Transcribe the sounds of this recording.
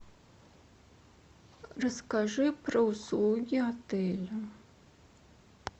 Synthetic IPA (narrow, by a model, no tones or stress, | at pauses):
rɐskaʐɨprɐusluɡʲiat̪ʰejlʲa